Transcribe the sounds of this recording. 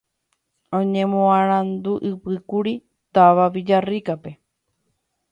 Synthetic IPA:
õɲẽmõãɾ̃ãnd̪uʔɨpɨkuɾi | t̪aʋaʋid͡ʒarikape̞

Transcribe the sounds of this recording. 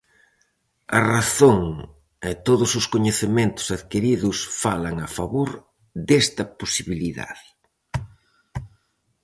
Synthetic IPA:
ɐraθoŋ | ɛt̪oðʊsʊskoɲeθemẽnt̪ʊ̥saðkiɾiðʊsfalɐŋafaβoɾ | d̪ɛst̪ɐposiβiliða̰ð

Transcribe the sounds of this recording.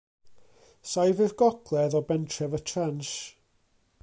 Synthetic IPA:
sajvɪrɡɔkʰlˠɛðɔbɛntʰrɛvətʰranʃ

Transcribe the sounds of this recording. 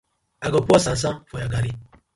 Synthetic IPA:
aɡɔpɔsan̩s̬afɔjaɡaɾi

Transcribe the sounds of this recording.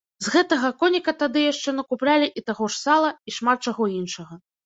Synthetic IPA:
zɣɛt̪ɐɣɐkɔnʲikɐt̪ad̪ɨjaʂt͡ʂɛnɐkuplʲalʲiʔit̪aɣɔʂsalˠɐiʂmat̪̚t͡ʂaɣɔinʂɐɣɐ

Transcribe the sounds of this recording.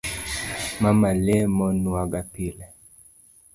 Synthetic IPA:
mamalɛmɔnuaɡapilɛ

